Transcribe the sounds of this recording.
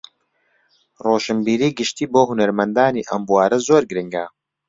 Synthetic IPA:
roːʃɨmbiːɾiːɡɨʃt̪iːboːɦunɐɾmɐnd̪aːniːʔɐmbuwaːɾɐzoːɾɡɾɪŋɡa

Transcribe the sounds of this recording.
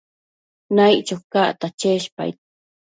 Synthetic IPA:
najt͡ʃaxkaʔt̪at͡ʃeʃpa̰j

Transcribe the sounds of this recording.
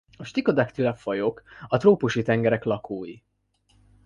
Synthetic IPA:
ɒʃt̪iko̞d̪akt̪ilɛfɒjokɒt̪roːpuʃit̪ɛŋɡɛɾɛklɒkoːji

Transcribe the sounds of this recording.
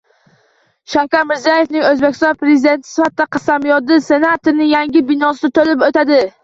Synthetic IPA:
ʃawkʲaɾmɪɾzijaje̞fnɪŋɵzbekʲʰɪst̪ɒnpɾe̞zɪd̪e̞nt̪ʰɪ̥sɪ̥fat̪ːaqʰɑsamjɒd̪ɪse̞nat̪oɾnɪjaŋʲɪbɪnɒsɪt̪ʰolɪpot̪ad̪ɪ

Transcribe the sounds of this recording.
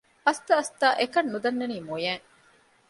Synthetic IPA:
ɐst̪ɐɐst̪aːʔekɐnːud̪ɐnːeniːmujæːŋ

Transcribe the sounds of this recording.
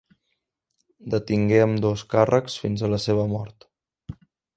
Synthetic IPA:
d̪ət̪iŋɡeəmd̪oskarʔəksfinzələseβəmɔɾt̪

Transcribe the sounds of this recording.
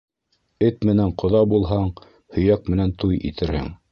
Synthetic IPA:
ɘt̪mɘ̆næɴqŏðɑbulˠɦɑɴ | hɵ̆jæk̚mɘ̆nænt̪ujḭt̪ʰɘ̆ɾhɘ̰ŋ

